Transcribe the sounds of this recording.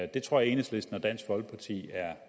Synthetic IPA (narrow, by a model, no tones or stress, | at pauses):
d̥e̝t͡sʰʁo̝ɐ̰je̝nəsle̝sd̥n̩ɒd̥æn̰sɡ̥ʋɒ̽lɡ̥̚pʰɑ̈t͡sʰḭːæɐ